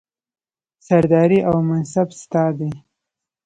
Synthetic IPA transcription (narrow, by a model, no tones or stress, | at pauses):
saɾd̪ɑɾiʔawmansabst̪ɑd̪e